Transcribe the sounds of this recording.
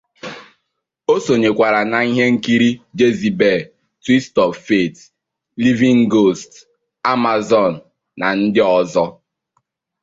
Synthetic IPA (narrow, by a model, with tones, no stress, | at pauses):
o˦so˨ɲe˨kʷa˨ɾa˨na˨i˦ɦe˦ŋ̩˦ki˦ɾi˦d͡ʒe˦zi˨be˨ | twi˦stɔ˨ffe˦˨t | li˦vi˦ŋ˦ɡo˦˨st | a˦ma˨zɔ˨n̩˨ | na˨n̩˦dɪ˦ɔ˦zɔ˦